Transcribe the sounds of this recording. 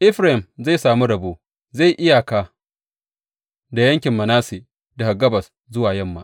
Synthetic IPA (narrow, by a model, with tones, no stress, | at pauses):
ʔɪ˦ɸɾa˦˨ɪ˨mza˦˨saː˨mu˦ɽɐ˨boː˦ | za˦˨jʔɪ˦ja˨kaː˨ | da˨jɐ˦ŋkʲɪ˨mːɐ˨naː˦seː˨ | da˨ha˨ɡɐ˦bɐ˨s | zʊ˦waː˨jɐ˦˨mːaː˦ʔ